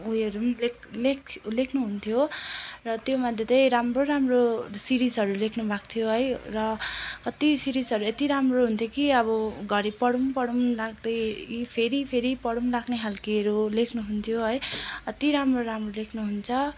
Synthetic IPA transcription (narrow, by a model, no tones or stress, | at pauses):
ujʌɾumlekʰleklekʰnuɦunt̪ʰjorʌt̪jomad̪ʱjet̪ʌjɾamroɾamrosiɾisɦʌɾulekʰnubʱakt̪ʰijoɦʌjrʌkʌt̪isiɾisʌɾuet̪iɾamroɦunt̪ʰjokiʌβʌɡʱʌɾipʌɽumpʌɽumlaɡd̪ʌjkipʰeɾipʰeɾipʌɽumlakneɦalkeɾulekʰnuɦunt̪ʰjoɦʌjt̪iɾamroɾamrolekʰnuɦunt͡sʰʌ